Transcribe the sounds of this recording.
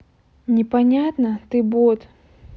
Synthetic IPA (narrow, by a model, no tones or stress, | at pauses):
nʲɪpɐnʲat̪nət̪ɨbot̪